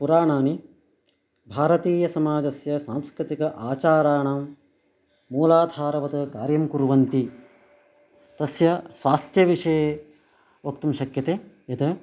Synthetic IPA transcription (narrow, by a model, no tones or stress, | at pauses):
puɾaːɳaːni | bʱaːɾɐt̪iːjɐsɐmaːd͡ʒɐsjɐsaːmskɾit̪ikɐʔaːt͡ʃaːɾaːɳaːmː | uːlaːd̪ʱaːɾɐʋɐt̪ɐkaːɾjɐmkuɾʋɐnt̪i | t̪ɐsjɐsʋaːst̪jɐʋiʂɐje | ʋokt̪ɐmʃɐkjɐt̪eː | jɐt̪ɐ